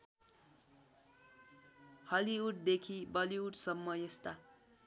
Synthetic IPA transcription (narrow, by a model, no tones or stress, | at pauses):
hʌliuʈ̚d̪ekʰibʌliuʈsʌmːʌjʌst̪a